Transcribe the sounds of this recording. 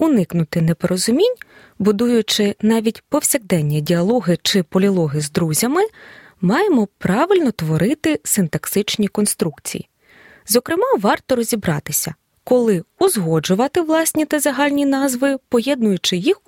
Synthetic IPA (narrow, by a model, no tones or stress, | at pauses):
ʊnɪknʊt̪ɪnɛpɔɾʔɔzʊmʲinʲ | bʊd̪ujʊt͡ʃɪnɑʋʲitʲpɔwsʲɐɣd̪ɛnʲːidʲiɐlˠɔɦɪt͡ʃɪpɔlʲilˠɔɦɪzd̪ɾuzʲɐmɪ | mɑjemɔpɾɑʋɪlʲnɔt̪ʋɔɾɪt̪ɪsɪnt̪ɐksɪt͡ʃnʲikɔnst̪ɾukt͡sʲḭjḭ | zɔkɾɪmɑʋɑrt̪ɔɾɔzʲibɾɑ̰t̪ɪsʲɐ̰ | kɔlˠɪʊzɦɔd͡ʒʊʋɐt̪ɪʋlˠɑsʲnʲit̪ɐzɐɦɑlʲnʲinɑzʋɪpɔjɛd̪̚nʊjʊt͡ʃɪjix